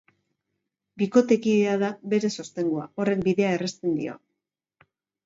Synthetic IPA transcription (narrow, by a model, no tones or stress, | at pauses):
biko̞t̪e̞kiðeaðabe̞ɾe̞so̞st̪e̞ŋɡoao̞re̞k̚biðe̞aerest̪e̞nd̪ḭo̞̰